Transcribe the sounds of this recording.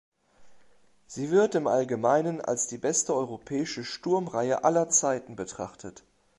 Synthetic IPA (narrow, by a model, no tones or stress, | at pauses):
z̥iːvɪɐtɪmʔalɡəmaɪnəna̰lsd̥iːbɛstəɔʏʁopʰɛːɪʃəʃtʊɐmʁaɪəʔalɐt͡saɪtn̩bətʁ̥a̰χtʰət